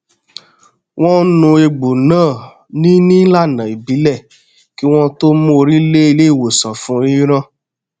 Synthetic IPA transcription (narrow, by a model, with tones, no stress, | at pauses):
w̃ɔ̃˦nũ˧e˧ɡ͡bo˨nãː˦˨ | nĩ˦nĩ˦la˦˨nã˨i˨bi˨˦lɛ˦˨ | ki˦w̃ɔ̃˦to˦mõ˦˧ɾi˦le˦i˧le˦˨wo˨sã˨fũ˨˦ɾĩ˦ɾ̃ã˦˨